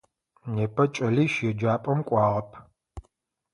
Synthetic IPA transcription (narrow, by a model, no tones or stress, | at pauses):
neːpʰɐt͡ʃʼɐliːʃjɛd͡ʒaːpʼɐmkʷʼɑːʁɐpʰ